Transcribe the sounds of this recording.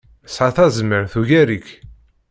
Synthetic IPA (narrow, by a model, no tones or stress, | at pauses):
sʕaθæzməɾθuʝæɾik